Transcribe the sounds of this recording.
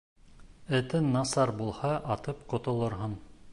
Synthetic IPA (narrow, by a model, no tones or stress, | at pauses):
ɘ̆t̪ɘnːɑsɑɾbulˠhɑʔɑt̪ɤpqŏt̪ŏlˠɤ̆ɾɦɤn